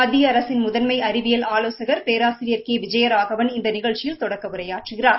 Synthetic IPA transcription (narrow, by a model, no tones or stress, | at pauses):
ɐðɪjɐɐɾɐsɪnmʊðɐnmɐɪɐɾɪʋɪjɐlaːloːsɐɣɐɾpeːɾaːsɪɾɪjɐɾkeːʋɪd͡ʒɐjɐɾaːɣɐʋɐnɪnd̪ɐnɪɣɐɻt͡ʃːɪjɪlt̪ɔɽɐkːɐʋʊɾɐjaːʈrɯɣɪraːɾ